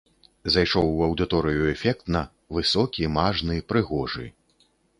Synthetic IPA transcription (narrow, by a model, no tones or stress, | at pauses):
zajʂɔwɐwd̪ɨt̪ɔɾɨjuɛfʲɛk̚t̪nɐ | vɨsɔkʲimaʐnɨpɾɨɣɔʐɨ̰